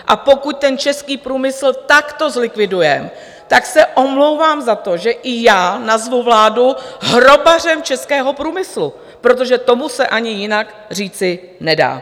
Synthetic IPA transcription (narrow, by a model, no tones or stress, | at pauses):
ʔapo̞kuc̚t̪ɛnt͡ʃɛskiːpɾuːmɪsl̩t̪akt̪o̞zlɪkvɪdujɛm | t̪aksɛʔo̞mlowvaːmzat̪o̞ʒɛʔɪjaːnazvuvlaːduɦɾobar̝ɛmt͡ʃɛskɛːɦo̞pɾuːmɪslu | pɾo̞t̪̬o̞ʒɛt̪o̞musɛʔaɲɪjɪnak | r̝iːt͡sɪ | nɛda̰ː